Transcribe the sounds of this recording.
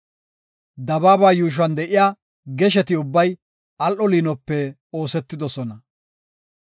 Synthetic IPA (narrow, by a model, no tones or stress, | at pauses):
d̪ɐbaːbaːjuːʃ̬wɐnd̪ɛʔɪjaː | ɡɛʃɛt̪ɪʊbːɐj | ɐlʔɔliːnɔpːɛ | oːsɛt̪ːɪd̪ɔsɔnɐ